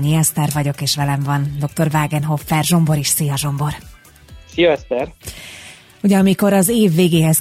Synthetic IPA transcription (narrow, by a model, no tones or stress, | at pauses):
ɲiɛst̪ɛrvɒɟo̞keːʃʋɛlɛɱvɒnd̪o̞k̚t̪o̞rvaːɡɛnɦo̞fːɛrʒo̞mbo̞ɾiʃsijɒʒo̞mbo̞r | sijɒɛst̪ɛɾ | uɟɛɒmiko̞ɾɒzeːvːeːɡeːɦɛs